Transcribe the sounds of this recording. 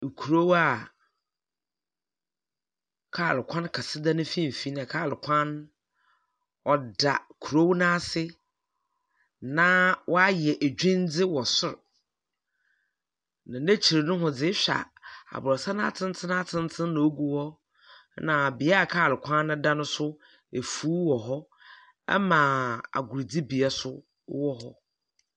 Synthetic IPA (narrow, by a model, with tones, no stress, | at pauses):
kʰu˨ɾo˦wa˦˨ | kʰaː˦˨lɪ˨kʷʰã˦nkʰa˨sɪ˦da˦nʊ̃˦fĩ˦m̩˨fi˨˦nã˨kʰaː˦˨lɪ˨kʷʰã˦n | ɔ˨da˨kʰu˨ɾo˦wnãː˦sɪ˦ | nã˦wʔɔ˦a˦jɛ˨ʔæ˨d͡ʑᶣɪ̃˦n˦d͡zɪ˦wɔ˨sʊ˦ɾ | nã˨næ̃˦t͡ɕʰi˨ɾnʊ̃˦ɦʊ̃˨d͡zɪ˦ɕᶣa̰˨a̰˨bʊ˨ɾɔ˨sã˦nʊ̃˦a˦tʰɪ̃˦n˦t͡sʰɪ̃˦nã˦t͡sʰɪ̃˦n˦t͡sʰɪ̃˦nːã˨o˦ɡu˦wɔ˦ | nã˨bɪ˨a˦a˨kʰaː˦˨lɪ˨kʷʰã˦nʊ̃˦da˦nʊ̃˦sʊ˦ | e˨fuː˦wɔ˨ɦɔ˦ | ɛ̰˦mã˨a̰˨ɡʊ˨ɾd͡zi˦bi˨a˦sʊ˦ | wɔ˦ɦɔ̰˦